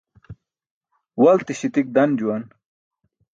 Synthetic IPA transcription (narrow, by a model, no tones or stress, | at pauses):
wɐlt̪iɕit̪ik̚d̪ɐnd͡ʑuwɐn